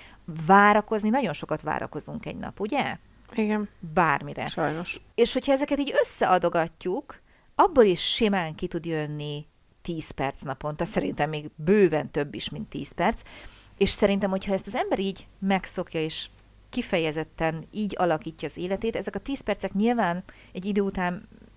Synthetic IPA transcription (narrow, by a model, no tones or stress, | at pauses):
vaːɾɒko̞zninɒɟo̞nʃo̞kɒt̪ʋa̰ːɾɒ̰ko̞zuŋkɛ̰ɟnɒ̰puɟɛ | iɡɛnbaːrmiɾɛ̰ʃɒjnoʃ | eːʃho̞cʰhɒɛzɛkɛt̪iːɟø̞sːɛʔɒd̪o̞ɡɒcːuk | ɒbːoliʃʃemaːŋkit̪ud̪jønːi | t̪iːspɛrt̪snɒpo̞nt̪ɒsɛɾint̪ɛmːeːɡbøːvɛnt̪ø̞bːiʃmint̪ːḭːspɛrt̪s | eːʃsɛɾint̪ɛmho̞chɒɛst̪ɒzɛmbɛɾiːɟmɛkso̞kjɒeːʃ | kifɛjɛzɛt̪ːɛniːɟɒlɒkiːcːɒːzeːlɛt̪eːt̪ɛzɛkɒt̪iːspɛrt̪sɛkɲilvaːn | ɛɟːid̪øːut̪aːn